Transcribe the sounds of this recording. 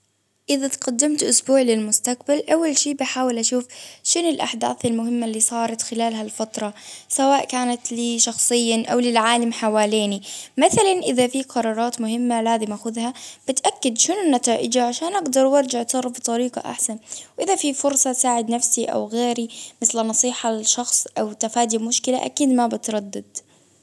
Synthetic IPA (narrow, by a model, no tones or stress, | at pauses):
ʔɪðat̪qad̪ːɪmt̪ʔʊsbuːʕlɪlmʊst̪aq̚balʔawːalʃiːbɪħaːwɪlʔaʃuːfʃʊnɪlʔaħd̪a̰ːθɪlmʊhɪmːalːiːsˤɑːɾˤɑt̪xɪlaːlɦalfɑt̪ɾˤɑsawaːʔkaːnat̪liʃɑxsˤɨjːaʔa̰wlɪlʕaːlamħawaːleːnimaθalanʔɪðafiqʰɑɾˤɑːɾˤɑːt̪mʊɦɪmːalaːzɪmʔaxʊðhab̥ɪt̪ʔakːad̪ʃʊnʊnːat̪aːʔɪd͡ʒaʕaʃaːnʔaɡd̪ɑɾˤwɑɾˤd͡ʒaʕt̪sˤɑrˤːɑfbt̪ˤːɑɾiːqɑ̰ʔa̰ħsanwʔɪðafifʊɾsˤɑsaːʕɪd̪nafsiʔa̰wɣeːɾimɪθlɪnɑsˤiːħaʃɑxsˤʔawt̪afaːd̪imʊʃkɪla̰ʔa̰kiːd̪mabɪt̪ɾˤɑd̪ːad̪̥̚